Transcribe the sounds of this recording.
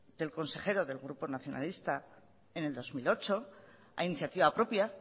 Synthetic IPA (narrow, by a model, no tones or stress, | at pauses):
d̪̥e̞lko̞nse̞χe̞ɾoðe̞lɣɾupo̞naθjo̞nʔa̰list̪a | e̞ne̞ld̪o̞zmilo̞t͡ʃo̞ | a̰iniθjat̪iβapɾo̞pja